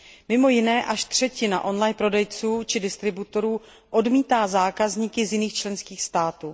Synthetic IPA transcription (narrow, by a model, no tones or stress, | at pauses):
mɪmo̞jɪnɛːʔaʃt̪r̝̥ɛcɪna̰ʔo̞nlajnpɾo̞dɛjt͡suːt͡ʃɪdɪst̪ɾɪbut̪o̞ɾuː | ʔo̞dmiːt̪aːzaːkazɲikɪzjɪniːxt͡ʃlɛnskiːxst̪aːt̪uː